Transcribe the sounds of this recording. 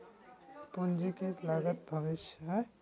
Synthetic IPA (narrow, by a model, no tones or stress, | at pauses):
pund͡ʒikelaɡət̪̚bʱəʋɪʃjɦɛ